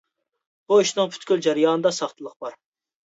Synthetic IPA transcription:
b̥uiʃnɨŋpʰy̥t̪kʲyld͡ʒæɾɨjɑːnɨd̪ɑsɑχt̪ʰɨlˠəq̚bɑɾ

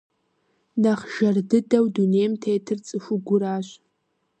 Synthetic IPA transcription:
naχʒ̥ɐrdɨdɐwdunejmtʰejtʰɨrt͡sʼɨʃʷʊɡʷʊɾaːɕʷ

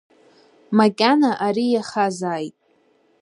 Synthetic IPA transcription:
makʲʼanaʔaɾijaχazaːjtʼ

